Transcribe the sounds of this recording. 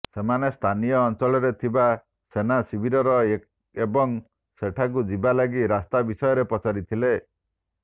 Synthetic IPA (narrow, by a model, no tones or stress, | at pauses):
semanest̪ʰanijɔːnt͡ʃɔɭɔɾet̪ʰiba | senasibʱiɾɔɾɔ | ebɔŋ | seʈʰak̬ud͡ʒibalaɡiɾast̪abisɔjɔɾepɔt͡ʃaɾit̪ʰile